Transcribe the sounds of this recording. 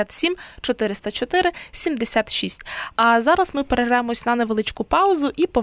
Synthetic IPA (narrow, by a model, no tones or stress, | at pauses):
at̪sʲimt͡ʃɔt̪ɪɾɪst̪ɐt͡ʃɔt̪ɪɾɪsʲimd̪esʲat̪ʃisʲtʲɐzɑɾɐzmɪpeɾeɦɛjemɔsʲnɐneʋelˠɪt͡ʃkʊpɑʊzʊʔipɔ